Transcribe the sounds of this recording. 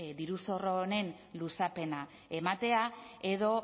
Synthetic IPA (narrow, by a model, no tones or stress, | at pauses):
d̪iɾuso̞rone̞n | lusape̞na | e̞mat̪e̞ae̞ðo̞